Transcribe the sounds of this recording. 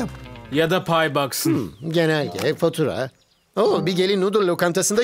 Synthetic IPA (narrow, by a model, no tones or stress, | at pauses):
jad̪apʰajbaksɯnɟenælʲɟʰɛ̰fot̪ʰuɾa̰ | obiɟe̞lʲinud̪uɾlʲokʰamt̪ʰasɯnd̪a